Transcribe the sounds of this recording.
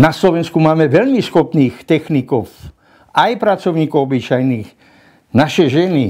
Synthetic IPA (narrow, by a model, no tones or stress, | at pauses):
naslɔʋɛnskumaːmɛʋɛʎmisxɔpniːxt̪ɛxnikɔw | ajpɾat͡sɔʊɲiːkɔʊɔbit͡ʃajniːɣ | naʃɛʒɛni